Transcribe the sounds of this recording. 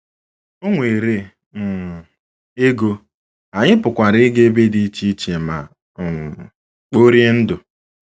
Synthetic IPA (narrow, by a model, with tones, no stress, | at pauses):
o˦ŋʷe˨ɾe˦ | m̩˨ | e˦ɡo˦ | a˨ɲɪ˦pʊ˨kʷa˨ɾɪ˦ɡe˦be˦di˦t͡ʃi˦t͡ʃe˨ma̰˨ | k͡po˦ɾje˦n̩˦dʊ˨